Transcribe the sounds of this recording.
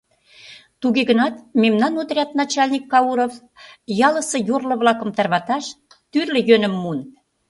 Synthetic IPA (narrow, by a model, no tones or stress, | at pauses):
t̪uɣeɣənɑt̪memnɑnot̪rʲɑt̪̚nɑt͡ɕɑlʲnʲikːɑuɾof | jɑlə̆sɤ̆jorlɤ̆βlɑkə̆mt̪ɑrβɑt̪ɑʃ | t̪yrlə̆jønə̆mːun